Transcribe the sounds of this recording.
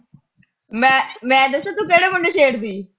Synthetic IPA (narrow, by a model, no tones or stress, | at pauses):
mɛ̃ːmɛ̃ːd̪əsẽːt̪ũːkeːɽeːməɳɖeːt͡ʃeːɽd̪iː